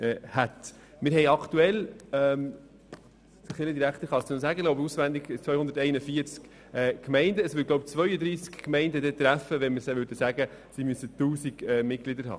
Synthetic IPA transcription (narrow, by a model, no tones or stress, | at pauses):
ɛːhæt̪ | mɪɾɦɛɪɑktuɛlɛm | dəχɪləd̪iɾækt̪əɾχɑst̪nosæːɡəloʊbusʋænd̪ɪɡt͡svœʏhʊnd̪ətɛɪnəfiəɾt͡sk | ɛkmɛɪndəːsʋʏɡlɔʊbt͡svœʏəd̪ɾiːskkmɛɪndəd̪ɛt̪ɾæfəʋɛnməɾsɛʋʏɾdəsæɡəsimysət̪uːsiɡ̥ɛmɪt̚klɪdəɾɦɑ̰ː